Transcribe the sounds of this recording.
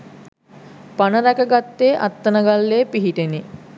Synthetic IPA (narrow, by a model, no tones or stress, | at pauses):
panəɾækəɡat̪ːeːʔat̪ːənəɡalːeːpiɦiʈeni